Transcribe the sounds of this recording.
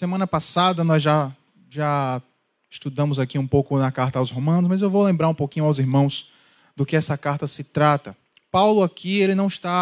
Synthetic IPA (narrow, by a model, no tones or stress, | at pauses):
semɐ̃nɐpasad̪ɐnɔjzʒa | ʒa | ɪʃt̪ud̪ɐ̃mʊzakiũpowkʊnɐkaɾt̪ɐːwshomɐ̃nʊsmɐzewvowlẽmbɾaɾũpokĩɲʊawziɾmɐ̃w̃s | d̪ʊkɪɛsɐkaɾt̪ɐsɪt̪ɾat̪ɐ | pawlʊakielɪnɐ̃w̃ɪst̪a